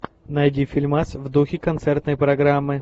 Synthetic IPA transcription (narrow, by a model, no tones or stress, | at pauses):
nɐjdʲifʲɪlʲmasvd̪uxʲɪkɐnt̪sɛrt̪nəjpɾɐɡɾamːɨ